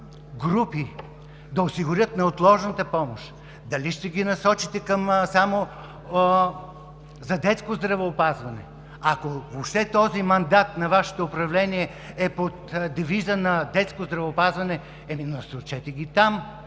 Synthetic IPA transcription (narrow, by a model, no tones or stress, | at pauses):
ɡɾupi | d̪ɐosiɡʊɾʲjɤt̪nɐot̪lˠɔʒnɐt̪əpɔmoʃ | d̪ɐliʃt̪ɛɡʲinɐsɔt͡ʃit̪ɛkɐmsamo | zɐd̪ɛt̪skozd̪ɾɐvɛːpazvɐnɛ̰ | akovopʃt̪ɛt̪ɔzimɐnd̪at̪nɐvaʃɛ̥t̪oːpɾɐvlɛniɛ | ɛpot̪d̪ɛvizənɐd̪ɛt̪skozd̪ɾɐvɛopazvɐnɛ | ɛminɐsot͡ʃɛt̪ɛɡʲit̪am